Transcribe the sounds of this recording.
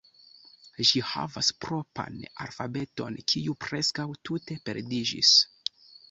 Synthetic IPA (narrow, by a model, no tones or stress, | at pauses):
ʒiha̰vaspɾo̞pa̰na̰lfabe̞to̞̰nkʰiupɾe̞skawtute̞pe̞ɾdid͡ʒḭs